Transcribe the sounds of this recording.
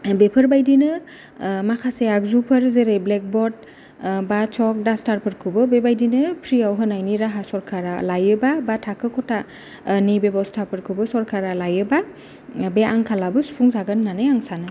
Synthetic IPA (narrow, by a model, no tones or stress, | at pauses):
bepʰɯɾbajdinɯ | makʰaseak̚zupʰɯɾzeɾejblek̚bɔd̚ | bat͡ʃɔk̚dastaɾpʰɯɾkʰɯbɯbebajdinɯpʰɾiawɦɯnajniɾaɦasɔɾkʰaɾalajɯbabatʰakʰɯkʰɔta | nibebawstʰapʰɯɾkʰɯbɯsɔɾkʰaɾalajɯba | beaŋkʰalabɯsu̥pʰuŋzaɡɯnːanɯjaŋsanɯ